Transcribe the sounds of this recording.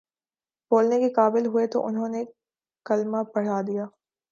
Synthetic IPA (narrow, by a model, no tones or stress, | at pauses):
boːlnekekaːbɪlɦʊet̪o̰ʔʊnɦõːne | kɐlmapɐɽ̤aːd̪ijaː